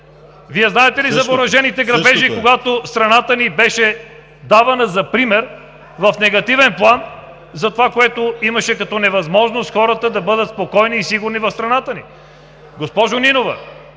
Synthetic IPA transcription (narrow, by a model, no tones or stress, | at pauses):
viɛznaɛt̪ɛlizɐboɾɐʒɛnit̪ɛɡɾɐbɛʒikoɡat̪ost̪ɾɐnat̪ənibɛʃɛ | d̪avɐnɐzɐpɾimɛɾ | vɐfnɛɡɐt̪ivɛnplˠan | zɐt̪ovakoɛt̪oimɐʃɛkɐt̪ɔnɛvɐzmɔʒnost̪xɔɾət̪əd̪ɐbɤd̪ət̪spokɔjniːsiɡuɾnivɐfst̪ɾɐnat̪əni | ɡospɔʒoninovɐ̰